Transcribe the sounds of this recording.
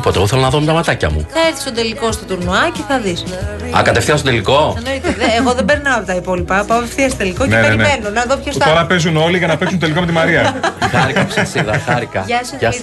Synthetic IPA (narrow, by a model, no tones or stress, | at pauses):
poeɣoθelonɐðomet̪ɐmɐt̪ɐcɐ̰mṵθɐeɾθi̥st̪od̪e̞liko̞st̪o̞t̪uɾnoɐceθɐðisɐ | ɐ̰kɐt̪efθiɐstod̪eliko̞ɐnoit̪eðːɣo̞ðembeɾnɐoɐpot̪ɐipo̞lipɐpɐpefθiɐst̪od̪elikocneeeenmenonɐðopçost̪t̪oɾɐpezuno̞liʝɐnɐpeksunoelikomet̪imɐɾiɐxɐɾikɐpssiðɐxɐɾikɐɐsɐ